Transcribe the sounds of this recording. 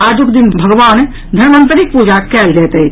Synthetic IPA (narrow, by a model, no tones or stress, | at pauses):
ad͡ʒukd̪inbʱəɡʋan | d̪ʱənmə̃nt̪ɾik̚pud͡ʒakɛld͡ʒɛt̪ə